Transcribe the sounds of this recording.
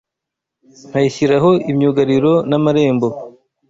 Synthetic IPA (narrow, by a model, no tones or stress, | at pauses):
n̥hajiçiɾaɦo̞imɲuɡaɾiɾo̞namaɾe̞ːmbo̞